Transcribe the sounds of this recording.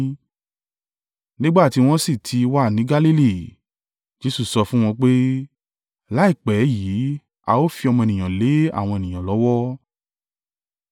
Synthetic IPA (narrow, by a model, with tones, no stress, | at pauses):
nĩ˦ɡ͡ba˦˨ti˧w̃ɔ̃˦si˦˨tʰi˧wa˦˨nĩ˨˦ɡa˦li˦li˦˨ | d͡ʒe˦su˦˨sɔ˧fũ˦w̃ɔ̃˧k͡pe˦ | la˨˦i˦˨k͡pɛ˨˦ji˨˦ | a̰˧o˦fi˧ɔ˧mɔ̃˧e˨nĩ˨j̃ã˨le˨˦a˦˨w̃ɔ̃˧e˨nĩ˨j̃ã˨lɔ˨˦wɔ˦